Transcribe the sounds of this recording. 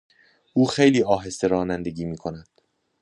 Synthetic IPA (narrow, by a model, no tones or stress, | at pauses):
ʔuːxejliːɒːɦe̞st̪e̞ɾɒːnænd̪e̞ɟiːmiːkʰo̞næd̪̥